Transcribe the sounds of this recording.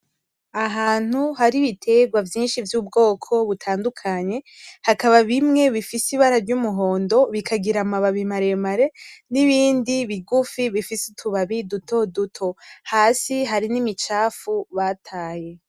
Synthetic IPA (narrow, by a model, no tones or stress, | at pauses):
aɦaːn̥huɦaɾiβitʰe̞ɡwavjiːnʃivjuːbɡo̞ːkʰo̞βutʰaːndukʰaɲe̞ | hakaβaβimŋe̞βifisiβaɾaɾɟumuɦo̞ːndo̞βikʰaɡiɾamaβaβimaɾemaɾe̞niβiːndiβiɡufiβifisitʰuβaβidutʰo̞dutʰo̞haːsiɦaɾinimit͡ʃaːfuβatʰaːje̞